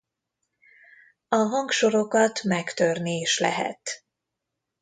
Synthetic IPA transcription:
ɒɦɒŋkʃo̞ɾo̞kɒt̪mɛkt̪ørnieːʃlɛ̰ɦɛ̰t̪

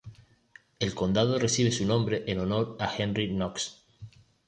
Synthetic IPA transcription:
e̞lko̞nd̪að̞oresiβ̞e̞sunõmbɾeʔenono̞ɾaxenrinoks

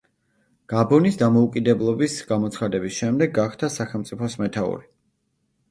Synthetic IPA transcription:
ɡ̥abɔnisd̪amɔukʼid̪ɛblˠɔbisɡ̥amɔt̪sʰχad̪ɛbisʃɛmd̪ɛɡːaχd̪asaχɛlˠmt̪sʼipʰɔsmɛt̪ʰaṵɾi

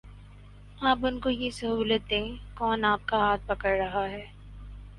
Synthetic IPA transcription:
aːpʊnkojesɐɦuːlət̪̚d̪ẽːkɔːnaːp̚kaɦaːt̪̚pɐkəɾːɐɦaɦɛː

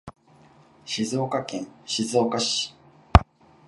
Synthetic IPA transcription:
ɕizo̞ːkakẽ̞ɰ̃ɕizo̞ːkaɕi̥

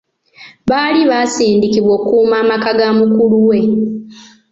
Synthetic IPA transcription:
βaːliβaːsiːndikiβwo̞ːkuːmaːmakaɡamukuluwe̞

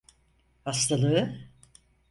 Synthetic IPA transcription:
hast̪ʰalˠɯɯ

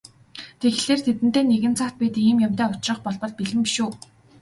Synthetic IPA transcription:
t̪ʰeɣɮeːrt̪ʰet̪ɘ̆nt̪eːneɣɘ̆nt͡sʰat̪̚pʲiːt̪iːmjamt̪æːʊt͡ɕrə̆χpɔɮpɞ̆ɮpiɮɘ̆mpiʃuː

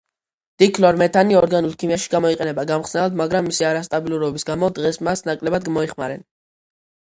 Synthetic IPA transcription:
d̪̥ikʰlɔɾmɛt̪ʰaniɔɾɡanulˠkʰimijaʃi̥ɡamɔiqʼɛnɛbaɡamχsnɛlad̪maɡɾamːisiaɾast̪ʼabilˠuɾɔbisɡamɔd̪ʁɛsmasnakʼlɛbad̪̚ɡmɔiχma̰ɾɛn

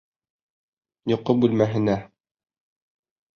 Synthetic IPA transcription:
jŏqːobʉlmæɦɘ̆næ

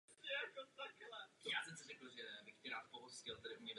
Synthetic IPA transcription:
ɛkot̪aklɛjaːsɛmsɪrɛkl̩ʒɛbɪxcɛɾaːt̪poɦoscɪlt̪ɛɾɪʔumɲɛd

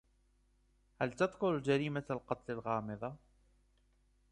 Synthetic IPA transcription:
halt̪ɑd̪ˤqʊld͡ʒaɾiːmaalqɑt̪ˤlalɣɑːmɨðˤɑ

